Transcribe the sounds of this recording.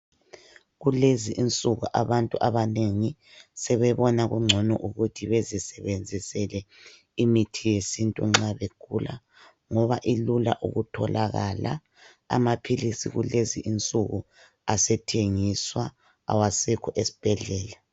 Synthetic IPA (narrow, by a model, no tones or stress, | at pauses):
ɣuleziʔint͡sʼuɣuʔaβantʼuʔaβaneŋi | sɛβɛβɔnaɣṵŋ͡ǁʱɔnɔ̰ʔuɣutʰiβezisɛβend͡zʱisɛlɛ | imitʰijesintʼṵŋ͡ǁaβekʰula̰ | ŋɔβaʔilula̰ʔṵɣutʰɔlaɣala̰ | a̰mapʰilisḭɣuleziʔint͡sʼuɣu | asɛtʰeŋiswa | a̰wasɛkʰɔʔesi̥b̥ʱɛɮɛːla